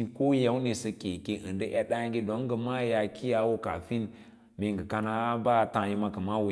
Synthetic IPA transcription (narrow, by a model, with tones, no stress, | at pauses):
ko˦je˦wne˨sə˧ke˨ke˨ʔɨ̰˨ndə˦ʔa˦ɗa˦ŋɡi˦do˨˦ŋ˦ɡə˨ma˦ja˨kʰi˦ja˨˦wo˦ka̰˨fi˦n | me˨ŋɡə˨ka˧na˦ba˦˨tã˨ji˧ma˦kə˨ma˦wu˨